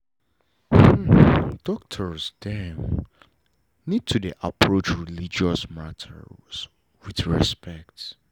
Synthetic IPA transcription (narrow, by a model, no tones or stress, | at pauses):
h̩d̥ɔk̚tʰə˞sdɛn | nid̚tʰudiʔapʰɹot͡ʃɹilid͡ʒɔsmatʰə̰ɹz̥ | wiθɹispɛk̚t